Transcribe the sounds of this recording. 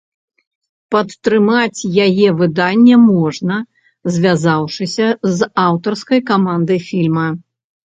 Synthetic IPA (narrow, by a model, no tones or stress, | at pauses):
pɐt̪ːɾɨmat͡sʲjajɛvɨd̪anʲːɛmɔʐnɐ | zʲvʲazawʂɨsʲɐzawt̪ɐrskɐjkamand̪ɨjfʲilʲmɐ